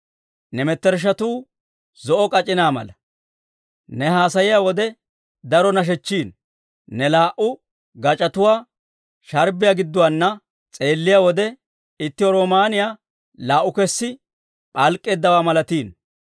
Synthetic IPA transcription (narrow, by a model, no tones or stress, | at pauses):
nɛmɛt̪ːɛɾʃ̬ɐt̪uː | zɔʔɔkʼɐt͡ʃʼːɪnaːmɐ̰lɐ | nɛɦaːsɐjɪjaːwɔd̪ɛ | d̪ɐɾɔnɐʃ̬ɛt͡ʃːiːnː | ɛlaːʔʊ | ɡɐt͡ʃʼɐt̪ʊwaː | ʃɐɾbɪjaːɡɪd̪ːʊwanːɐ | t͡sʼe̞ːlːɪjaːwɔd̪ɛ | ɪt̪ːɪwɔɾo̞ːmaːnɪjaː | laːʔʊkɛsːɪ | pʼɐlkʼːe̞ːd̪ːɐwaːmɐlɐt̪iːn